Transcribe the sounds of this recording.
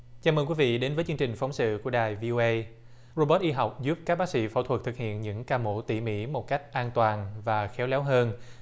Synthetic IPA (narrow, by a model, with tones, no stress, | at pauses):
t͡ɕaː˨˧məː˧nkwi˨˦vḭ˧˨ɗe˨˦nvəː˨˦jt͡ɕɨ˧əŋt͡ɕï˨˩ŋ̟fa˨˦ŋ͡msɨ̰˧˨ku˧˩əɗaː˨˩jvi˧ʔo˧ʔə˧j | zo˧ɓə˦˥t̚ʔi˧ɦa˨˩wk͡p̚zu˦˥p̚kaː˦˥k̚ɓaː˦˥k̚sḭ˧˥fo̰˧˩t̪ʰwə˨˩k̚t̪ʰɨ˨˩k̚hḭ˧˨ənɲɨ̰˧˥ŋkaː˧mo̰˧˥t̪ḭ˧˩mḭ˧˥mo˨˩t̚ka˦˥jk̟̚ʔaː˧nt̪waː˨˩nvaː˨˩xɛ˨˦wlɛ˨˦wɦəː˧n